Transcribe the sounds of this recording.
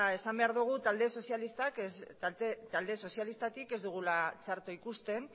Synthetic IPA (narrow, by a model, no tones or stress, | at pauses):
e̞sambe̞aɾðuɣ̞ut̪ald̪e̞so̞sjalist̪ak̪et̪ald̪e̞so̞sjalist̪at̪ike̞zd̪uɣ̞ulat͡saɾt̪oikust̪e̞n